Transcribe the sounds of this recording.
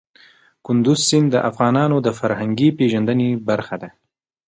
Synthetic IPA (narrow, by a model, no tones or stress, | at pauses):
kʊnd̪ʊzsɪnd̪əʔafɣɑnɑnod̪əfaɾhaŋɡipeʒand̪ənebaɾxad̪a